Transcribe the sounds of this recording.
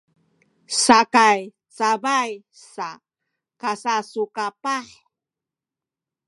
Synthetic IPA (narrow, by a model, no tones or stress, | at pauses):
sakaj | t͡sabaj | sa | kasasukapaħ